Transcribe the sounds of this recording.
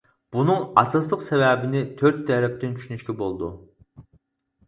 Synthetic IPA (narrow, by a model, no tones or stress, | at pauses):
b̥unɨŋɑ̰sɑslˠəqsɛvɛːbɪnɪt̪ʰøɾt̪ːɛɾɛp̚t̪ɪnt͡ʃʰy̥ʃynyʃkʲɛbolˠd̪ṵ